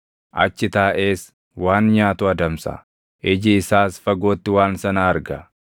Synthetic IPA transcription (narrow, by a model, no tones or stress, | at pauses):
ʔɐt͡ʃːɪt̪aːʔe̞ːs | waːnɲaːt̪ʊɐd̪ɐmsɐ̰ | ʔɪd͡ʒɪːsaːsfɐɡo̞ːt̪ːɪwaːnsɐnɐɐɾɡɐ